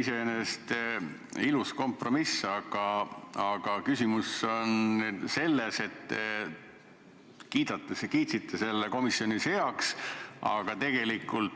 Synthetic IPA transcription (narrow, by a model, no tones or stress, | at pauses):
isenest̪ | ilusko̞mpro̞misːɑɡ̥ɑɑɡ̥ɑkysʲimuso̞nse̞lːe̞se̞t̪ːe | kiːd̪̥ɑt̪ːˑeskiːt̪sit̪ʰˑːese̞lːeko̞misjo̞nise̞ɑksɑ̰ɡ̥ɑt̪e̞ɡ̥e̞likːˑult̪